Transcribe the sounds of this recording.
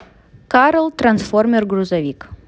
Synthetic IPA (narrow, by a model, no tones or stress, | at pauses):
kaɾəlˠt̪rɐnsformʲɛrɡruzɐvʲik